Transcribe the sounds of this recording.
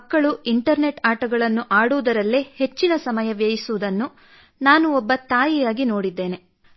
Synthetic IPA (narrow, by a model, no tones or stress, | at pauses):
kːɐɭuʔiɳʈɐɾne̞ʈaːʈɐɡɐɭɐnːuʔaːɽuʋd̪ɐɾɐlːehe̞t͡ʃːinɐsɐmɐjɐʋjɐjisuʋud̪ɐnːu | naːnuɔbːɐt̪aːjijaːɡino̞ːɽid̪ːe̞ːne̞